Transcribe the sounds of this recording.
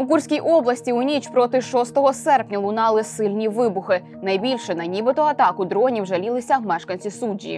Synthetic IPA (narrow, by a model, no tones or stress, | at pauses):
mʊkursʲkʲijʔɔblˠɐsʲtʲiunʲit͡ʃpɾɔt̪ɪʃɔst̪ɔɦɔsɛrpnʲɐlˠʊnɑlˠɪsɪlʲnʲiʋɪbʊxɪ | nɐjbʲilʲʃɛnɐnʲibɪt̪ɔɐt̪ɑkʊd̪ɾɔnʲiwʒɐlʲilˠɪsʲɐwmɛʃkɐnʲsʲisudʲḭjḭ